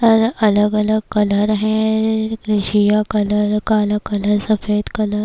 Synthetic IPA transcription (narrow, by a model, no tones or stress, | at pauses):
ɔɾɐləɡɐləɡ̚kɐləɾɦɛ̃ | ɾɪʃijakɐləɾkaləɡkɐləɾsɐfeːd̪kɐləɾ